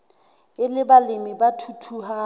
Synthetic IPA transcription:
kʼɪlɪbalɪmibatʰutʰuha

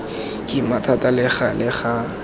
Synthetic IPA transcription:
kʼimatʰatʼalɪχalɪχa

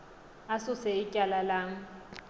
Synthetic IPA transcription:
asʊsɛɪcʼalalaːŋ̩

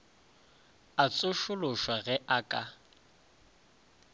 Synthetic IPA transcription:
at͡sʼʊʃʊlʊʃwaɣɛʔakʼa

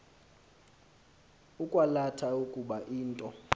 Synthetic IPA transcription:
ukʼwalatʰaukʼuɓaʔiːntʼɔ

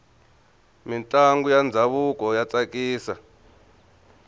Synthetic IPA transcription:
mintʼaŋɡujand͡zʱaβukʼɔjat͡sʼakʼiːsa

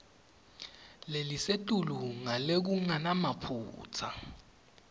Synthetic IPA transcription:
lelisetʼuluŋalek̬uŋanamapʰṵːt͡sʰa̰

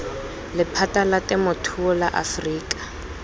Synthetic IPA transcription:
lɪpʰatalatʼɛmʊtʰuɔlaʔa̰friːkʼḁ

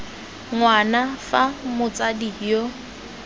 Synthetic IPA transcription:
ŋwanafamʊt͡sʼadijo

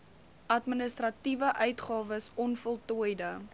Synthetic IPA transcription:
ʔɐtmənəstrɐtivəʔœɥtχɑːvəsɔnfɔlˠtujdə

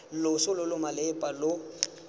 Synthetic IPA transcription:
lʊsʊlʊlʊmalɪpʼalʊ

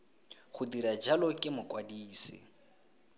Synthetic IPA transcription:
χʊdiɾad͡ʒalɔkʼɪmʊkʼwadiːsɪ̰

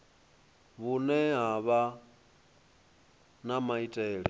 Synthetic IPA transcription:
βunɛɦaβa | namaitʼɛːɺi

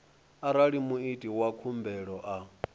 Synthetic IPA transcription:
aɾaɺimuitʼiwakʰumbɛɺɔʔa

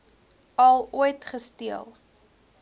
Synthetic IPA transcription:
ɐlˠuəjtχəstiəlˠ

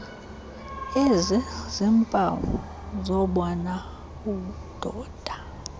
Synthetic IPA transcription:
ezizimpʼawɔ̰ | zɔɓɔna | uud̥ʱɔːd̥ʱa

